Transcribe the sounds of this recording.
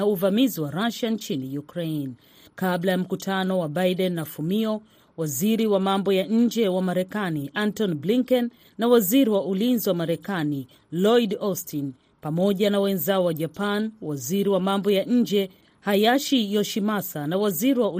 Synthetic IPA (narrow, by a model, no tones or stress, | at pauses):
auvamiziwaɾaʃaɲt͡ʃinijukɾɛn | kaɓlajam̩kutʰanɔwaɓajɗɛnːafumiɔ | waziɾiwamambɔjaɲ̩d͡ʒɛwamaɾɛkaniʔantɔnbliŋkɛnː | awaziɾiwaʔulinziwamaɾɛkani | lɔidɔstin | pamɔʄanawɛnzaɔwaʄapanwaziɾiwamambɔjaɲ̩d͡ʒɛ | hajaʃijɔʃimasanawaziɾiwau